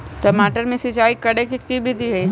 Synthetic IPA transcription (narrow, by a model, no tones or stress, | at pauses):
ʈɐmaːʈəɾmẽsɪt͡ʃaːikɐɽekikt̪ibʱid̪iɦɛ